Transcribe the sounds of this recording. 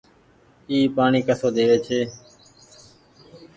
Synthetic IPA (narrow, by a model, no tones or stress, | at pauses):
iːpaːɳiːkəsoːd̪eːʋeːt͡ʃʰeː